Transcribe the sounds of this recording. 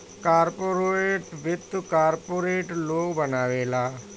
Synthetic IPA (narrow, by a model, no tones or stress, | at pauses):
kaːɾpoːɾoːeːʈʋɪt̪ːkaːɾpoːɾeːʈloːkbənaːʋeːlaː